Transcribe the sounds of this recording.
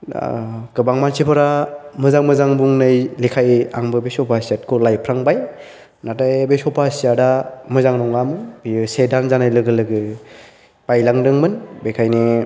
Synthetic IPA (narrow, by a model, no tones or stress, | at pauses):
ɡ̥ɯbaŋmansipʰɯɾamɯzaŋmɯzaŋbuŋnɯjlikʰajaŋbɯbesɔpʰasijat̚kʰɔlajpʰɾaŋbaj | natajbesɔpʰasijadamɯzaŋnɔŋamɯnbijɯsedanzanajlɯɡɯlɯɡɯ | b̥ajlaŋdɯŋmɯnbekʰajni